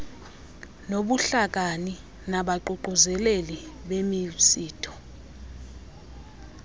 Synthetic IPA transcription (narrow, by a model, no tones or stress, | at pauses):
noɓuɬak̬ani | naɓaǃuǃuzɛleliɓemisiːtʰɔ̥